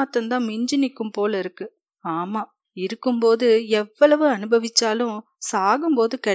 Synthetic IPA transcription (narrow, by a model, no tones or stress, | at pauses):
t̪ːɐnd̪ãːmɪɲd͡ʒɪnɪkːɯmpoːlɪɾɯkːɯ | aːmaː | ɪɾɯkːɯmpoːðɯɛʋːɐɭɐʋɯɐnɯbɐʋɪt͡ʃːaːlʊ̃ | saːɣɯmpoːðɯkɐ